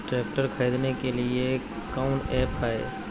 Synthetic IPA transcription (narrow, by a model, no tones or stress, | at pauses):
ʈɾɛːk̚ʈəɾkʰɐɾiːd̪nekelie | kaʊnɛːpaːḛː